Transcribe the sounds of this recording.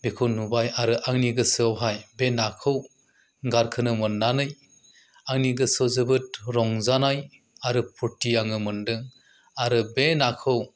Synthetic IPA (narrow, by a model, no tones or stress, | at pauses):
bekʰɯwnubajaɾɯʔaŋniɡɯsɯwɦajbenakʰɯw | ɡaɾkʰɯnɯmɯnːanɯj | aŋniɡɯsɔzɯbɯt̚ɾɔŋzanaj | aɾɯpʰuɾtiaŋɯmɯndɯŋ | aɾɯbenakʰɯw